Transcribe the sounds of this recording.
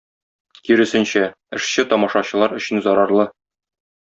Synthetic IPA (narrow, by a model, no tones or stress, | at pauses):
kiɾɘ̆sɘ̆nɕæ | ɘ̆ʃɕɘt̪ɒmɑʃɑɕɤ̆lˠɑɾɵ̆ɕɘ̆nzɒɾɑɾlˠɤ